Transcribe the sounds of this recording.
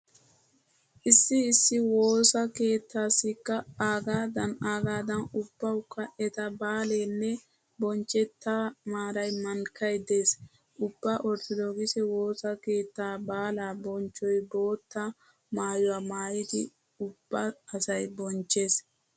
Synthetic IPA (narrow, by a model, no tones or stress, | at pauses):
ʔɪsːɪːsːɪwo̞ːsɐke̞ːt̪ːaːsɪkːɐaːɡaːd̪ɐnaːɡaːd̪ɐnʊb̥ːɐwʊkːɐʔɛt̪ɐbaːleːnːɛ | bɔnt͡ʃɛt̪ːamaːɾɐjmɐŋkɐjd̪eːs | ʔʊbːaʔɔɾt̪ɔd̪oːɡɪsɛwo̞ːsɐke̞ːt̪ːaːbaːlaːbɔnt͡ʃːɔjboːt̪ːɐ | maːjʊwaːmaːjɪt̪ɪ̰ | ʊb̥ːɐːsɐjbɔnt͡ʃːe̞ːs